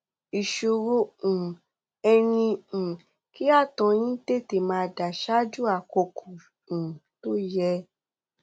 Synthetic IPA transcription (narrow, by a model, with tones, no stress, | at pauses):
i˨ʃo˨ɾo˧ũ˨ | ɛ˧ɾ̃ĩ˧˨ | ki˦a˦˨tɔ̃˧˦j̃ĩ˦te˦te˨mã˧da˨ʃa˦d͡ʒu˦a˨ko˧kʰu˨ | ũ˨to˦jɛ˧˦